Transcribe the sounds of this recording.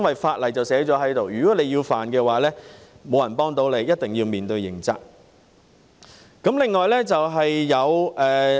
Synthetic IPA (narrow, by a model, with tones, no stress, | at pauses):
nwɐ˨jfaː˧t̚lɐ˨˩jt͡sɐ˨wsɛː˨˥t͡ʃɔː˨˥ɦɐ˨˥jt̪o˨wjyː˨kɔː˨˥le˨˧jiː˧wfaː˨nkɛː˧waː˨˥lɛː˥ | mo˨˧wjɐ˨˩npɔː˥ŋt̪o˨˥wle˨˧jjɐ˥t̚t̪ɪ˨ŋjiː˧wmiː˨nt̪ɵ˧ɥjɪ̰˨˩ŋt͡sɐ̰˧k̚ | kɐ˨˥mlɪ˨ŋːɔː˨˩jlɛː˥t͡sɐ˨wɦɐ˨jːɐ˨˧wʔɛː˨